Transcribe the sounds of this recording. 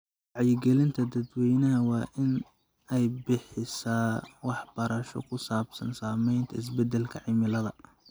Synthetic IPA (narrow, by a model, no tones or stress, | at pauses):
wɑʕjɪɡɛlɪnt̪ʰɐd̪ɐd̪wɛjnɐɦɐwɑːʔɪn | ɛjbɪħɪsaːwɑħb̥ɐɾɐʃɔ̰kʰʊsaːbsɐ̰nsaːmɛjnt̪ʰɐɪs̬bɛd̪ɛlkʰɐʕɪmɪlɐðɐ